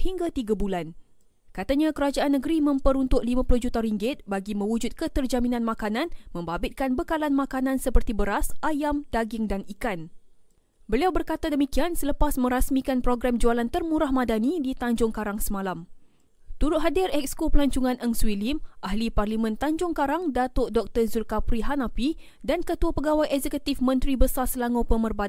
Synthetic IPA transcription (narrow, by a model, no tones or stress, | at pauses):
hiŋɡat̪iɡabulan | kat̪aɲãkəɾad͡ʒaʔanːə̃ɡəɾimə̃mpəɾunt̪ʊʔlimãpulʊhd͡ʒut̪aɾiŋɡɪt̪̚baɡimə̃wud͡ʒut̪̚kət̪ərd͡ʒamĩnãnmãkanãnmə̃mbabɪt̪̚kanbəkalanmãkanãnsəpərt̪ibəɾasajamdaɡɪŋdanikan | bəliawbərkat̪adəmikiansələpasmə̃ɾasmĩkanpɾoɡɾamd͡ʒualant̪ərmũɾahmãdanidit̪aɲd͡ʒʊŋkaɾaŋsəmãlam | t̪uɾʊt̪̚ɦadɪrɛk̚skopəlaɲt͡ʃuŋãnəŋswilimʔahliparlimə̃nt̪aɲd͡ʒʊŋkaɾaŋdat̪oʔdɔk̚t̪ərzulkapɾiɦanapi | dankət̪uapəɡawajɛzɛkut̪ifmə̃nt̪ɾibəsarsəlaŋopəmərbat̪